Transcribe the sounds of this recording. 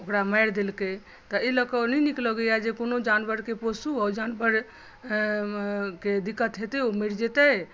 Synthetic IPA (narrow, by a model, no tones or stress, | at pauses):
okɾaməjɾd̪elke | t̪ɔiləkənɛniklɔɡəjad͡ʒekonod͡ʒanbəɾkeposuɔd͡ʒanbəɾ | ked̪ikət̪ɦet̪eomiɾd͡ʒet̪ə